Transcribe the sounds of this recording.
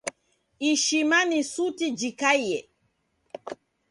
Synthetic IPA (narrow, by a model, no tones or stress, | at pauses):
iʃimanisutid͡ʒikaijɛ